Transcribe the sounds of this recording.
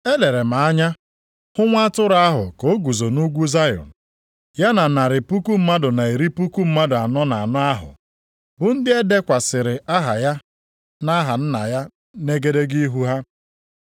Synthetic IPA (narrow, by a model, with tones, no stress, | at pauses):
e˦le˨ɾe˨m̩a˨a˦ɲa˦ | hʊ˦ŋʷa˦tʊ˦ɾa˦ɦʊ̰˨ko˦ɡu˨zo˨nu˦ɡʷu˦za˦jɔ̰˨n̩˨ | ja˦na˨na˨ɾɪ˨pu˦ku˦m̩˦ma˦dʊ˨na˨i˨ɾi˦pu˦ku˦m̩˦ma˦dʊ˨a˨nɔ˦na˨a˨nɔ˦a˦ɦʊ̰˨ | bʊ˨n̩˦dɪ˦e˦de˦kʷa˨sɪ˨ɾɪ˨ʔa˦ɦa˨ja˦ | na˦ɦa˨n̩˦na˨ja˦ | ne˦ɡe˦de˦ɡi˦i˦ɦu˦ɦa˦